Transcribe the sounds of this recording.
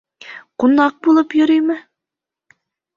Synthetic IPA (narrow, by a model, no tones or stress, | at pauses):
qʊnːɑq̚bulˠɤpjʊɾyjmɪ